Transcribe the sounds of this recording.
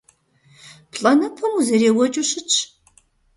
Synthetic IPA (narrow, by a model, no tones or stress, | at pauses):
pʰɬʼɐnɐpʰɐmuzɐɾeːwɔt͡ʃʼuɕɪt͡ʃʰʼ